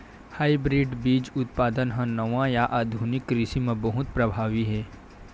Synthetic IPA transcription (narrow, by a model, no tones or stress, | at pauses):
haːibɾɪɖbiːd͡ʒʊt̪̚paːd̪ənɦə̃nɐʋãjaʔaːd̪ʱunɪkːɾɪʃimẽbɐɦʊt̪̚pɾɐbʱaːʋiɦɛː